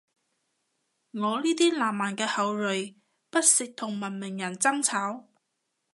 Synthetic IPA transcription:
ŋɔː˨˧liː˥t̪iː˥laː˨˩mːaː˨˩nkɛː˧hɐ˨˧wlɵ˨ɥ | pɐ˥t̚sɪ˨k̚t̪ʰʊ˨˩ŋmɐ˨˩nmɪ˨˩ŋjɐ˨˩nt͡sɐ˥ŋt͡sʰaː˨˥w

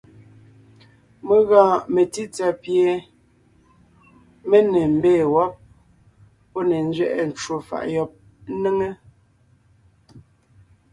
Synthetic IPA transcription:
me˨ɣaː˨me˨ti˦t͡sa˨pje˨ | me˦ne˨m̩˨beː˦˨wɔ˦p̚ | pɔ˦ne˨n̩˦d͡ʒɥɛ˦ʔɛ˨n̩˨t͡ʃwo˨fa̰˨ʔjɔ˨p̚ | ne˦ŋe˦

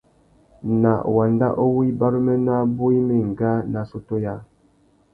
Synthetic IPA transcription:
na˨wa˨nda̰˦ʔo˦wi˦ba˦ɾə˦mɛ˦na˦bo˦i˦mi˦˨ŋ˨ɡa˦na˨so˦to˦ja˦

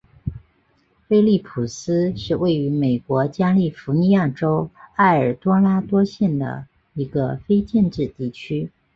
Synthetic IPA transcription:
fe˥ɪli˥˩pʰu˨˩sɹ̩˥ʂɻ̩˥˧we˥˩ɪy˧˥me˨˩ɪkwɔ˧˥t͡ɕja˥li˥˩fu˧˥ni˧˥ja˥˩ʈ͡ʂo˥ʊa˥˩ɪə˞˨˩t̪wɔ˥nla˥t̪wɔ˥ɕjɛ˥˩nd̪ə̰˩ | i˧˥ɡə˧fe˥ɪt͡ɕjɛ˥˧nʈ͡ʂɻ̩˥˧t̪i˥˩t͡ɕʰy˥

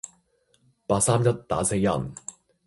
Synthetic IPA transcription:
paː˧t̚saː˥mjɐ˥t̚t̪a̰ː˨˥se˧jjɐ̰˨˩n

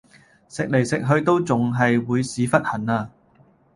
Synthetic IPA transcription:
sɪ˨k̚le˨˩jsɪ˨k̚ɦɵ˧ɥt̪o˥wt͡sʊ˨ŋɦɐ˨jwuː˨˧jsiː˨˧fɐ˥t̚hɐ˨˩naː˧

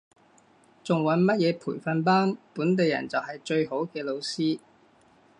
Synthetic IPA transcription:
t͡sʊ˨ŋwɐ˨˥nmɐ˥t̚jɛː˨˧pʰuː˨˩jfɐ˧npaː˥npuː˨˥nt̪̬e˨jɐ̰˨˩nt͡sɐ˨wɦɐ˨jt͡ʃɵ˧ɥho˨˥wkɛː˧lo˨˧wsiː˥

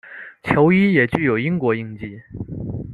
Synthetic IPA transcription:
t͡ɕʰjo˧˥ʊi˥jɛ˨˩t͡ɕy˥˩jo˨˩ʊi˥ŋkwɔ˧˥i˥˧ŋt͡ɕi˥˩

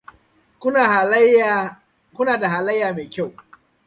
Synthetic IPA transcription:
k | kʷʊ˦naː˨da˨ɦaː˨lɐ˦jːaː˨meː˨kʲa˦˨w

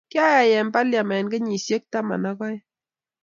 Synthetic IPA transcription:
kja˦ja˨jɛ˨mba˦lja˨mɛ˨nɡe˦ɲi˨sje˦k̚ta˦ma̰˨na˦kɔ˦j

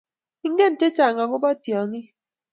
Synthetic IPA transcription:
i˦ŋ̩˦ɡe˦˨n̩˨te˦t͡ʃa˨ŋa˨ŋo˦ba˦tjɔ˨ŋi˦

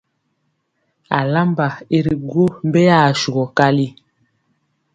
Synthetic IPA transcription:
a̰˨la˦mba˨i˦ɾi˨ɡwo˦m˦be˦ja˦˨ʃu˨ɡɔ˨ka˦li˦

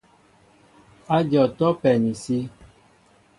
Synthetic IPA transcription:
a˦d͡ʒɔ˨tɔ˦pɛ˨nĩ˨si˦

